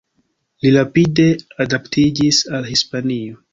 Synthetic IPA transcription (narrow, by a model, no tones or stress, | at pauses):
liɾapide̞adaptid͡ʒisalhispanio